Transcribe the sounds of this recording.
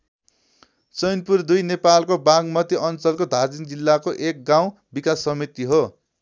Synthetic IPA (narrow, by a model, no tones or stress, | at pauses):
t͡sʌjnpurd̪ujnepalkobaɡmʌt̪iʔʌnt͡sʌlkod̪ʱad͡zind͡zilːakoʔek̚ɡaw̃ | bikasːʌmit̪iɦo